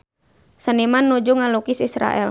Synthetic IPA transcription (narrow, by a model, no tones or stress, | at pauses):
sənimanːud͡ʒuŋalukisisɾa̰ʔɛ̰l